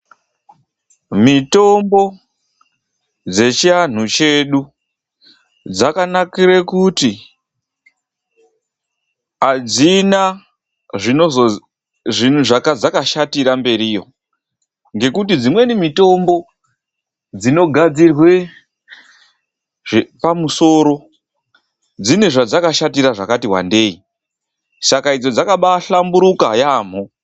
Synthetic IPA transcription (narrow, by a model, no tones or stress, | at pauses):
mito̞mbo̞ | d͡ze̞t͡ʃian̤ut͡ʃe̞ɗu | d͡zakanakirekuti | ad͡zina | ʐinoz | ʐin̤uʐakad͡zakaʃatiɾambe̞ɾijo̞̰ | ŋɡe̞kutid͡zimwe̞nimito̞mbo̞ | d͡zino̞ɡʱad͡zirwe̞ | ʐpamuso̞ɾo̞ | d͡zine̞ʐad͡zakaʃatiraʐakatiwa̰nde̞i | sakaid͡zo̞d͡zakaɓaɬambuɾuka̰jaːm̤o